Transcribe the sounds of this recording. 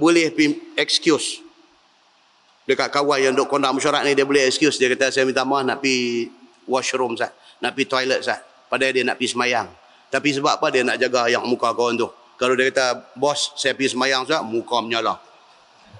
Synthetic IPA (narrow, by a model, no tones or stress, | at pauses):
bulɛhpiɛkskjus | dəkaʔ̪̚kawanjaŋndoʔkondaʔməʃaɾaʔ̪̚nidiabulɛhɛkskjusdiakat̪asaamit̪amahnaʔpi | waʃɾʊmsaʔ | naʔpit̪ajlət̪̚saʔ | padajdiana̰ʔpisəmajaŋ | t̪apis̬əbaʔpadianaʔd͡ʒaɡajaŋmukakawant̪ʊh | kalodiakat̪abɔsːajapisəmajaŋsaʔmukaməɲalah